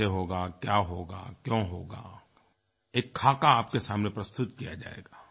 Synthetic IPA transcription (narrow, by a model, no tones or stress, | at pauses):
eɦoːɡakjaːɦoːɡa̰kjõːɦoːɡa̰ː | eːkʰːaːkaaːp̚kesaːmnepɾɐst̪ʊt̪kijad͡ʒa̰ːḛːɡaː